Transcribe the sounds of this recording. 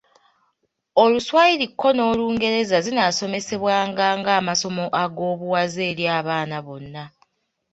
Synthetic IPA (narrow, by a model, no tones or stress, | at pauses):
o̞luswajiɾikʰːo̞no̞ːluːŋɡe̞ɾe̞zazinaːso̞me̞se̞βwaːŋɡaːŋɡaːmaso̞mo̞ʔaɡo̞ːβuwaze̞ːɾjaːβaːnaβo̞nːa